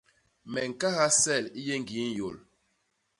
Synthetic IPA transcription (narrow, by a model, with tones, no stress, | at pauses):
mɛ˨ŋ̩˨ka˦ha˦sɛ˦˨li˦je˦ŋ˨ɡi˨˦n˦jo̰˨l